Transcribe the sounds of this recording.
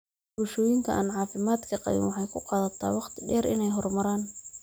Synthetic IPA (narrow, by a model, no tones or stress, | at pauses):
bʊʃɔːjɪŋk̪ʰɐʔa̰ːnʕɑːfɪmaːd̪kʰɐqɑ̰βɪ̰nwɑħɑjkʰʊqɑːðɐt̪ʰːa̰ːwɑqt̪ʰɪ̥ɖɛːɾʔɪ̰nɛjɦɔrmɐɾaːn